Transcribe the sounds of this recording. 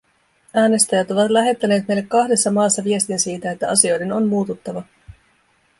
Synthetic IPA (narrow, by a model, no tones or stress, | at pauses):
æːne̞st̪æjæt̪o̞ʋɑt̪læɦe̞t̪ːæne̞ːt̪me̞jlːekːɑhde̞sːɑmɑːsːɑʋie̞st̪insiːt̪æe̞t̪ːæɑsio̞jde̞no̞mmuːt̪ut̪ːɑʋɑ